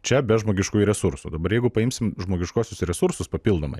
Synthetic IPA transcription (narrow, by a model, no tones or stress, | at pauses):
t͡ʃʲɛbʲɛʒmoːɡʲɪʃkuːjɾʲɛsuɾsṵd̪ɐbɐɾjɛɪɡʊpɐɪmʲsʲɪmʒmoːɡʲɪʃkuːsʲʊsɾʲɛsuɾsʊspɐpʲilˠd̪oːmɐɪ